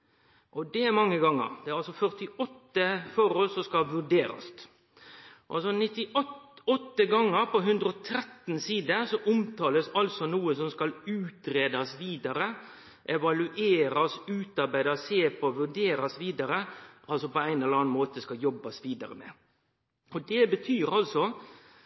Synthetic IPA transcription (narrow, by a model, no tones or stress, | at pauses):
ʔɔd̪ɛæɾmɑŋːəɡɑŋːə̰ɾd̪ɛæɾɑlsɔfœɾt̪ɪɔt̪ːəfɔɾɔlsɔskɑʋʉɖeːɾɑ̰st̪ | ʔʔɑlsɔnɪt̪ːɪɔɔt̪ːəɡɑŋːəɾpɔɦʉnd̪ɾəɔt̪ʰɾɛt̪nsiːd̪əsɔʔʊmt̪ʰɑːləsɑlsɔnuːəsɔmskɑlʉːt̪ɾeːd̪ɑsʋiːd̪ɑɾə | ʔɛʋɑlʉʔeːɾɑsʉːt̪ɑɾbæɪd̪ɑseːpʰoʋʉɖeːɾɑsʋiːd̪ɑɾəʔɑlsɔpɔæɪnɛləɾɑːnmoːt̪əskɑjɔbːɑsʋiːd̪ɑ̰ɾəmḛː | ɔd̪ɛbət̪ʰyːɾɑlsɔ